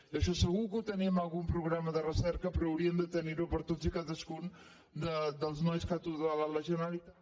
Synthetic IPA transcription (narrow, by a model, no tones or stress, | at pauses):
əʃɔsəɣukut̪ənimalˠɣumpɾuɣɾaməðərəsɛɾkəpɾɔːwɾiənd̪ət̪əniɾupəɾt̪od͡zikaðəskun | d̪əd̪əlˠznɔjskat̪uðalaləʒənalit̪a